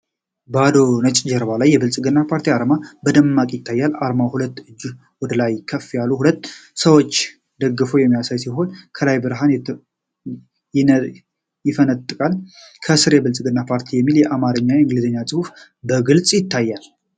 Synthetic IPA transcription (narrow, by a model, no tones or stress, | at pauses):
bad̪o̞nət͡ʃʼd͡ʒɛɾβalajːɛbɨlt͡sʼɡɨnːapʰaɾt̪ʰiaɾmabəd̪əmːakʼjɪt̪ʰːajːalaɾmawhulət̪ːɨd͡ʒː | wɔd̪əlajkʰəfːijaluhulət̪ːsəwot͡ʃː | d̪əɡːɨfojɛmːijasajsiɦo̞nkʰəlajbɨɾɦan | jɪfənət̪ʼːɨkʼalkʰəsɨɾjɛbɨlsʼɡɨnːapʰaɾt̪ʰijɛmːiljɛʔamaɾəɲːaɨŋɡɨlzəɲːasʼɨhuf | bəɡɨlt͡sʼjɪt̪ʰːajːal